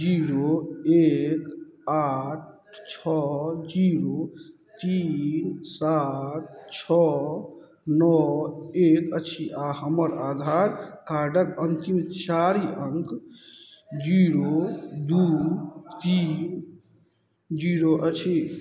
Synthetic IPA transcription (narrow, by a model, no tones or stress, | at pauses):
d͡ʒiɾoekaʈ̚ʰ | t͡ʃʰɔd͡ʒiɾo | t̪insat̪̚t͡ʃʰɔ | nɔekət͡ʃʰiʔaɦəməɾad̪ʱaɾkaɾɖəkənt̪imt͡ʃaɾiəŋɡ | d͡ʒiɾod̪ut̪in | d͡ʒiɾoʔət͡ʃʰi